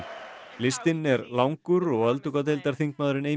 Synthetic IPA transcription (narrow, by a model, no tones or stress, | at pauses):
lɪst̪ɪnːɛɾlawŋkʏɾɔɣœlt̪ukat̪̬ejlt̪aɾ̥θiŋk̚maːðɾɪneːj